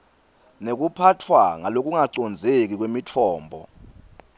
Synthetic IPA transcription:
nek̬upʰatʰwaŋalok̬ʼuŋaǀɔnd͡zʱek̬ik̬wemit͡fʰɔːmbʱɔ̰

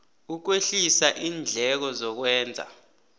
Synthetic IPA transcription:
uk̬weɬisaʔiːnd͡ɮʱɛk̬ɔzɔk̬wɛːnd͡zʱa̰

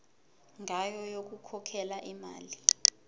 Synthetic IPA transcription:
ŋajɔjok̬ukʰɔkʰɛlaʔima̰ːli

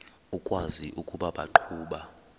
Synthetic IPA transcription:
ukʼwaziʔukʼuɓaɓaǃʰuːɓa

